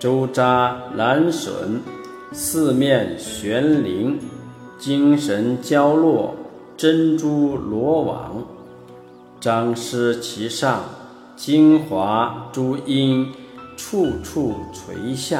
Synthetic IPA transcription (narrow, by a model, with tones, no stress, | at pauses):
ʈ͡ʂo˥ʊʈ͡ʂa˥la˧˥nʂwə̰˧˥n | sɹ̩˥˧mjɛ˥˩nɕɥɛ˧˥nli˧˥ŋ | t͡ɕi˥ŋʂə˧˥nt͡ɕjɑ˥ʊlwɔ˥˩ | ʈ͡ʂə˥nʈ͡ʂu˥lwɔ˧˥wɑ̰˧˥ŋ | ʈ͡ʂɑ˥ŋʂɻ̩˥t͡ɕʰi˧˥ʂɑ˥˩ŋ | t͡ɕi˥ŋxwa˧˥ʈ͡ʂu˥i˥n | ʈ͡ʂʰu˥˧ʈ͡ʂʰu˥˩t͡sʰwḛ˧˥ɪɕja˥˩